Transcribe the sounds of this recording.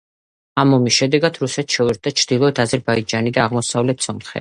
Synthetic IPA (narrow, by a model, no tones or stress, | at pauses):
amɔmisʃɛd̪ɛɡad̪̥ɾusɛt̪ʃɛvɛɾt̪̚d̪at͡ʃʰɾd̪̥ilˠɔɛt̪ʰazɛɾbaid͡ʒanid̪aʁmɔsavlɛt̪ʰsɔmχɛ̰